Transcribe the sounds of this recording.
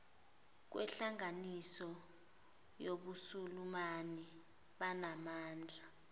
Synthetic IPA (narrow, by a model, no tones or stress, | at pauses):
k̬wʔɛ̰ɬaŋanisɔ | joɓusulumani | ɓanamaːnd͡ɮʱa